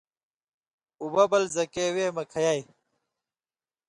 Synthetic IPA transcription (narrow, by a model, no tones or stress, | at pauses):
ubɐbɐlzɐkeweːmɐkʰɐjai